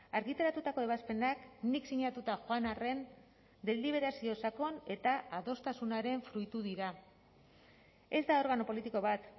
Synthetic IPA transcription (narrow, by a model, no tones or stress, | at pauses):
aɾɣit̪eɾat̪ut̪ako̞e̞β̞aspe̞nakniksiɲat̪ut̪aʝoanare̞n | d̪e̞liβ̞e̞ɾasio̞sako̞ne̞t̪aaðo̞st̪asunaɾe̞ɱfɾujt̪uðiɾa | e̞zd̪ao̞ɾɣano̞po̞lit̪iko̞βat̪